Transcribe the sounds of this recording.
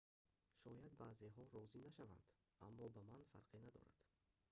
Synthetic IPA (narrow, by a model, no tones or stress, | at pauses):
ʃɔjad̪baːzeɦɔɾɔzinaʃava̰nd̪̥amːɔbamanfa̰ɾqʰenad̪ɔ̰ɾa̰d̪̥